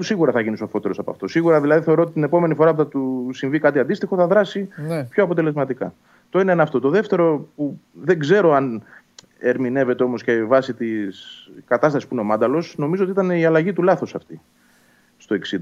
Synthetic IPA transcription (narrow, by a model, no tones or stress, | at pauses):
usiɣuɾɐθɐʝinisofo̞t̪e̞ɾo̞sɐpɐ̰ft̪o̞siɣuɾɐðilɐðiθe̞ɾot̪it̪ine̞po̞me̞nifo̞ɾɐp̬uθɐt̪usiɱvikɐt̪iɐnd̪ist̪ixo̞θɐðɾɐsipço̞ɐpo̞t̪e̞le̞zmɐt̪ikɐ | t̪o̞inenɐft̪o̞t̪o̞ðe̞ft̪e̞ɾo̞puðe̞ɡze̞ɾo̞ɐn | e̞ɾmine̞ve̞t̪e̞o̞mo̞scevɐsit̪iskɐt̪ɐst̪ɐsispuineo̞mɐnd̪ɐlo̞sno̞mizot̪iit̪ɐneiɐlɐʝit̪ulɐθo̞sɐft̪i | st̪oe̞ksi